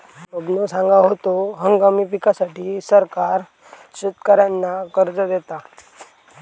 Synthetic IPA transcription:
obnosãŋɡaɦot̪oɦəŋɡamipikasaʈiːsəɾkaɾ | ɕut̪kəɾjanːakəɾd͡zəd̪et̪a

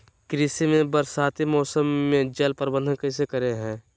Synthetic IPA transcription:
kɾisimẽbəɾsaːt̪imɔːsəmːẽd͡ʒɐlpəɾbənd̪ʱənkəɪsekəɾeɦɛ̃ː

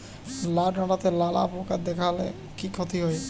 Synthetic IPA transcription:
laɖnaʈat̪elala̰pokad̪ɛkʰalḛ | kikʰɔt̪iɦɔej

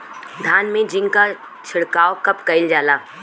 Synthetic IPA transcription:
d̪ʱaːnmẽd͡ʒɪ̃ŋɡka | t͡ʃʰɪɽkaːokɐpkɐɪld͡ʒaːlaː

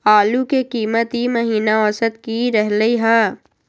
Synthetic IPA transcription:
aːlukekiːmət̪ɦiməɦiːnaɔsət̪kiɾɛɦləiɦɛ

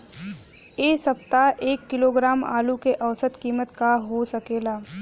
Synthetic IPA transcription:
eːsəpt̪aʔeːkːɪloːɡɾaːma̰ːlukeʔəʋsət̪kiːmət̪kaɦosəkeːlaː

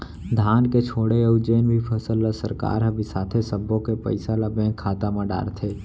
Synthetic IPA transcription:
d̪ʱaːnket͡ʃʰoːɽeəʊd͡ʒeːnbʱipʰəsəlːasəɾka̰ːɾɦəbisaːt̪ʰesəbːõkepə̰ɪsalabẽːkʰːaːt̪amãɖa̰ːɾt̪ʰe

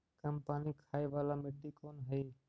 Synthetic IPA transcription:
kəmpaːniːkʰaːeːʋaːlaːmɪʈːiːkoːnɦəeː

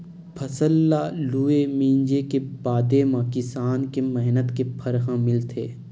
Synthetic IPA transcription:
pʰɐsəlːaluːemĩːɲd͡ʒekebaːd̪emãkɪsaːnkemɛɦnət̪kepʰɐɾɦãmɪlt̪ʰeː

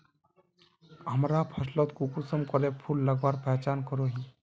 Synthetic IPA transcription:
ɦəmɾapʰəslɔt̪kukusəmkɔɾepʰulːəɡwaːɾpɛjt͡ʃankɔɾoɦĩ

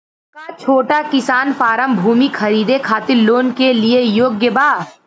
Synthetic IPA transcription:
kat͡ʃʰoːʈakɪsaːnfaːɾəmbʱuːmikʰɐɾiːd̪ekʰaːt̪ɪɾloːnkeliejoːɡjəbaː

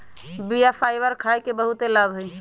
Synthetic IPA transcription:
bijapʰajbəɾkʰajkebəɦut̪elabɦəj

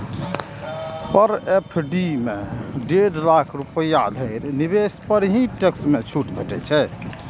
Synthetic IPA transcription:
pəɾepʰɖimeɖeɽlakʰɾupəjad̪ʱəɪɾnibespəɾɦĩʈeksmet͡ʃʰuʈbʱəʈɛ̰t͡ʃʰɛ

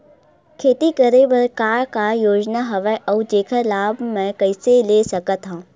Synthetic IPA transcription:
kʰeːt̪ikəɾeʋəɾkaːɾkajoːd͡ʒnaɦɐʋəʔɔːd͡ʒeːkʰəlaːbʱmɛ̃kɐɪseleːsɐkət̪ɦãː

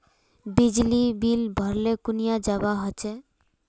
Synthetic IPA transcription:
bid͡ʑlibilbʱɔɾlekunijad͡ʑabaɦot͡ɕʰe

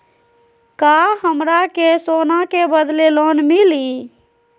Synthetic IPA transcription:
kaɦəmɾakesonakebəd̪lelonmili

